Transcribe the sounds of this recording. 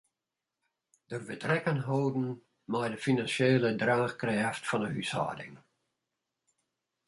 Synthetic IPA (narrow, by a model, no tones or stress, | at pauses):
d̥ərbətrɛkənɦoːdn̩ | majdəfinanseːlədraːxkrɛɛftfɔnəhysa̰ːdɪ̰ŋ